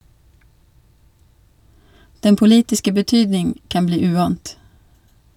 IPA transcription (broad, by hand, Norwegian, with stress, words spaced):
ˈdɛn pʊˈliːtɪskə bəˈtyːdnɪŋ ˈkɑn ˈbliː ˈʉːɑːnt